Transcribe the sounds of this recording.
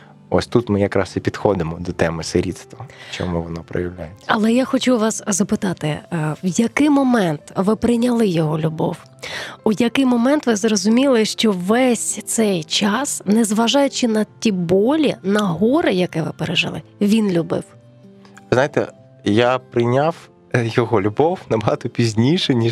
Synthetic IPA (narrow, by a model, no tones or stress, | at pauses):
ɔsʲt̪ut̪mɪjɐkɾɑsipʲid̪xɔd̪ɪmɔd̪ɔt̪ɛmɪsɪɾʲit̪st̪ʋɐt͡ʃɔmuʋɔnɔpɾɔ̰jɐwlʲa̰jet͡sʲːɐlˠɛjaxɔt͡ʃuʋɑszɐpɪt̪ɑt̪ɪ̰wjɐkɪjmɔmɛnt̪ʋɪpɾɪnʲɐlˠɪjɔɦɔlʲʊbɔw | ujɐkɪjmɔmɛnt̪ʋɪzrɔzʊmʲilˠɪʃt͡ʃɔʋɛsʲt̪sɛjt͡ʃɑsnɛzʋɐʒɑjʊt͡ʃɪnɐtʲibɔlʲinɐɦɔɾɪjɐkɛʋɪpeɾɛʒɪ̰lˠɪ̰ | ʋʲinlʲubɪ̰w | ʋɪznajɪt̪ɛ̰ | japɾɪnʲaw | jɔɦɔlʲʊbɔwnɐbɐɦɑt̪ɔpʲizʲnʲijʃɛnʲi